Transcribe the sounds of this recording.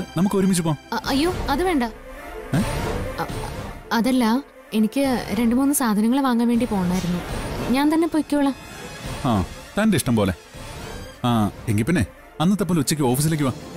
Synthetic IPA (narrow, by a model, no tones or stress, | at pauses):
nɐmukːɨoɾumit͡ɕːupo̞ːʔɐjːoːɐðɨʋe̞ːɳɖɐe | ɐðɐlːɐ | e̞nikʲːɨɾe̞ɳɖɨmuːnːɨsaːd̪ʱɐnɐŋːɐɭeʋaːŋːaːnʋeːɳɖipo̞ːɐɳːaːjiɾunːuɲaːnt̪ɐnːe̞pojkʲːuuɭːɐhaːt̪aːndeiʂʈɐmpo̞ːle | aːeŋɡilpinːe | ɐnːɐt̪ːepːoːlut͡ɕːikʲːɨo̞ːfis̬ileːk̬ʲːuʋaː